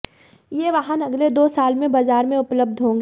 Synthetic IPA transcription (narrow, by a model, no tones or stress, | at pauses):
jeːʋaɦənɐɡled̪oːsaːlmẽbaːzaːɾmẽʊpləb̚d̪ʱɦõːŋ̆ɡ